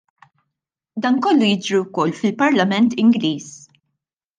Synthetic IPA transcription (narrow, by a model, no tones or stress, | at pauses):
d̪ɐːnkɔlːujɪd͡ʒɾiwkɔlːfɪlpɐɾlɐmɛnt̪ɪŋɡliːs